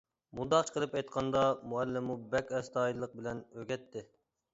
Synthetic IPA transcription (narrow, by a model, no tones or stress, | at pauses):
mud̪ɑχt͡ʃʰqʰəlˠɨpɛjt̪̚qʰɑnd̪ɑmuɛlːɪmubɛkʲɛst̪ʰɑːjilˠəq̚bɪlɛnøɡʲɛt̪ʰːɪ